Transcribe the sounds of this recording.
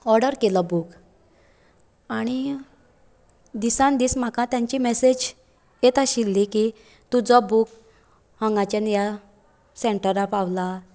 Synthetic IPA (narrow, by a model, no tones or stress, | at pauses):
ɔɾɖəɾkelɔbuk | aɽ̃i | d̪isãnd̪iːsm̤akãt̪jãɲt͡ɕimɛsed͡ʑ | jet̪aɕilːiki | t̪ud͡zɔbuk | həŋɡat͡ɕanja | seɳʈəɾapaʋla